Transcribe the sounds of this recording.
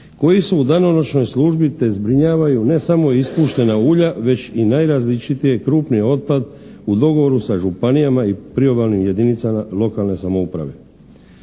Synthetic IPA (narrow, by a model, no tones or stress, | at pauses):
ko̞jisuud̪anonot͡ʃno̞jsluʒbit̪e̞zbɾiɲaːʋajune̞samo̞ispuːʃt̪e̞nauːʎaʋe̞t͡ɕinajɾazlit͡ʃit̪ije̞kɾuːpnijeo̞t̪̚pad̪ud̪o̞ɡo̞ʋo̞ɾusaʒupanijamaipɾio̞balnimje̞d̪init̪samalˠo̞kalne̞samo̞upɾa̰ʋe̞̰